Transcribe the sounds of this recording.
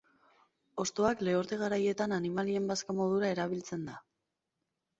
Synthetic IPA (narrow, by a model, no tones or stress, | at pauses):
o̞st̪o̞akle̞oɾt̪e̞ɣ̞aɾaje̞t̪ananimalie̞mbaskamo̞ð̞uɾae̞ɾaβilt͡se̞nd̪a